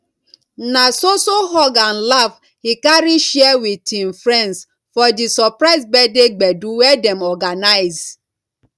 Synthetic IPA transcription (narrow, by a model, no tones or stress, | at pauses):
nasosoɦɔɡanlav | hikaɾiʃɛwitʰin̩fɾɛns | fɔdisɔpɾaɪzbɛdeɡ͡bɛduwɛdɛmɔɡanaɪz